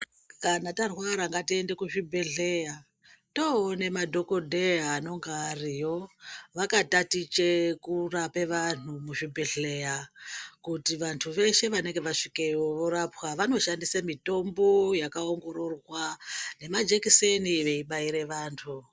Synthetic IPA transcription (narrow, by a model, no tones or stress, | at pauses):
kanatarwaɾaŋɡatiende̞kuʐibʱeɮe̞ja | to̞ːne̞madʱo̞ko̞dʱeano̞ŋɡaːrijo̞ʋakatatit͡ʃekurapeʋan̤umuʐibʱe̞ɮe̞jakutiʋantʰuʋe̞ʃe̞ʋane̞ŋɡe̞ʋaʂikejoʋoɾapwaʋano̞ʃandisamito̞mbo̞jakaoŋɡo̞ɾorwane̞mad͡ʒekiseniʋe̞iɓaiɾe̞ʋaːntʰu